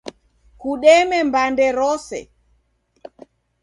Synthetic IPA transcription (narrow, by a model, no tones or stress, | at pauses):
kuɗɛmɛmbandɛɾɔsɛ̰